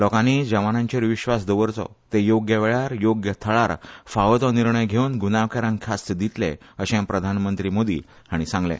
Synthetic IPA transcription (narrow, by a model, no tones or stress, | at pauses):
lɔkãnid͡ʑəʋanãɲt͡ɕeɾʋiɕʋasd̪əʋəɾt͡sɔ̰t̪ejoɡjəʋeɭaɾjoɡjət̪ʰəɭaɾfaʋət̪ɔniɾɳəjɡʱeunɡunaʋkaɾãŋkʰast̪d̪it̪lḛəɕẽpɾəd̪ʱanmənt̪ɾimod̪ḭː | ɦaɽ̃isãŋɡlḛ̃